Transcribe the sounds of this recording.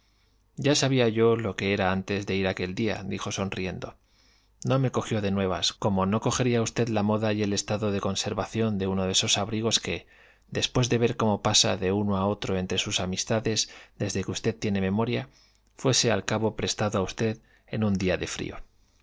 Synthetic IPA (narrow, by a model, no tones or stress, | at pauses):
ɟ͡ʝasaβ̞iaʝo̞lo̞ke̞e̞ɾaant̪e̞zðe̞iɾake̞ld̪ia̰d̪ixo̞so̞nrie̞nd̪o̞ | no̞me̞ko̞xjo̞ðe̞nwe̞β̞a̰sko̞mo̞no̞ko̞xe̞ɾiaust̪e̞ðlamo̞ðaje̞le̞st̪aðo̞ðe̞ko̞nse̞ɾβaθjo̞nd̪e̞uno̞ðe̞so̞saβɾiɣ̞o̞ske̞ | d̪e̞spwe̞zðe̞β̞e̞ɾko̞mo̞pasa̰ðe̞uno̞ao̞t̪ɾo̞e̞nt̪ɾe̞susamist̪aðe̞zd̪e̞zðe̞kust̪e̞ðt̪je̞ne̞me̞mo̞ɾja | fwe̞se̞a̰lkaβo̞pɾe̞st̪aðoaust̪e̞ð | e̞nund̪iaðe̞fɾḭo̞